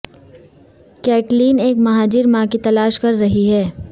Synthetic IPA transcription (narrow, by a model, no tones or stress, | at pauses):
kɛːʈliːneːkmɐɦaːd͡ʒiɾmãkit̪ɐlaːʃkɐɾːɐɦiɦɛː